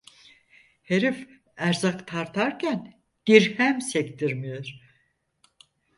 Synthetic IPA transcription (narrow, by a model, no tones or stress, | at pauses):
heɾif | æɾzakt̪ʰaɾt̪ʰaɾcʰæn | d̪̥iɾhæmsɛct̪iɾmijoɾ̥